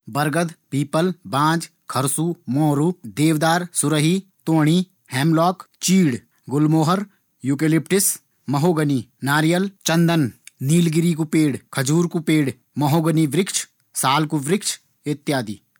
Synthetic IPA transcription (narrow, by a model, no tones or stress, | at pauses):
bɐɾɡəd̪piːpəlbãːd͡ʒ | kʰɐɾsuːmɔːɾuːd̪eːʋd̪aːɾsʊɾəɦit̪oːɽ̃i | hɛːmlɔːkt͡ʃiːɽ | ɡʊlmoːɦəɾ | juːkelɪpʈɪs | mɐɦoːɡəninaːɾijəlt͡ʃɐ̃nd̪ənniːlɡɪɾikupeːɽkʰɐd͡ʒuːɾkupeːɽ | mɐɦoːɡəniʋɾɪkt͡ʃʰ | saːlkuʋɾɪkt͡ʃʰ | ɪt̪ːjaːd̪iː